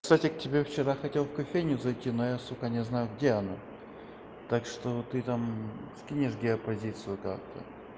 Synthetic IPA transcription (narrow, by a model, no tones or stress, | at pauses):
ksatʲɪk̚tʲɪbʲeft͡ɕɪɾaxɐtʲelˠfkɐfʲejnʲjʊzɐjtʲinojast̪okanʲɪznajʊɡdʲeɐna | t̪akʂt̪ot̪ɨt̪amskʲinʲɪʂɡʲɪɐpɐzʲit̪sɨjʊka̰k̚t̪ʰə̰